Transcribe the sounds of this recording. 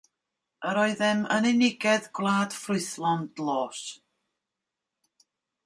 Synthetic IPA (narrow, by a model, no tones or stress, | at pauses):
əɾɔːɨðɪmənɪnɪɡɛðɡwlˠaːd̥frʊɨθlˠɔndlˠoːs